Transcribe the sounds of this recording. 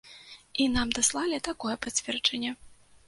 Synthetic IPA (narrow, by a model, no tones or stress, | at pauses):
inamd̪aslˠalʲit̪akɔjɛpat͡sʲvʲɛrt͡ʂɐnʲːɛ